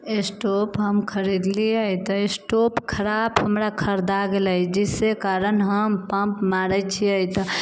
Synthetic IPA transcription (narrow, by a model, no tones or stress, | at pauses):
esʈopɦəmkʰəɾid̪liəit̪əesʈopkʰəɾabɦəmɾakʰəɾd̪aɡeləjd͡ʒisekaɾənɦəmpə̃mpmaɾət͡ʃʰiəjt̪ə